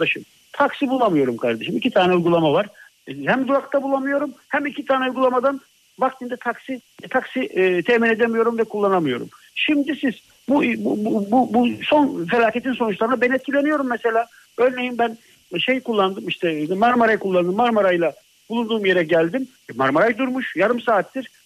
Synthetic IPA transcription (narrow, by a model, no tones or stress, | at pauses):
d̪aʃɯm | t̪ʰaksibulˠamɯjo̞ɾumkʰaɾd̪eʃɯmicʰit̪ʰaːnɛujɡulˠamavaɾ̥ | hæmzuakt̪ʰabulˠamɯjo̞ɾumhæmicʰit̪ʰaːnɛujɡulˠamad̪an | bakt̪ʰind̪ɛt̪ʰaksit̪ʰaksit̪ʰɛmine̞d̪emijo̞ɾumvɛkʰulˠːanamɯjo̞ɾṵm | ʃimd̪isiz | bubbubuso̞nfe̞lʲaːcet̪ʰinso̞nut͡ʃlˠaɾɯnabeɛniɛt̪̚cʰilʲe̞nijo̞ɾumːɛse̞lʲaː | øɾne̞jimbæn | ʃejkulˠːand̪ɯmiʃt̪ʰɛmaɾmaɾajkʰulˠːand̪ɯmːaɾmaɾajlˠa | bulˠund̪uːmje̞ɾɛɟælʲd̪im | maɾmaɾajd̪uɾmuʃjaɾɯmsaːt̪ːiɾ̥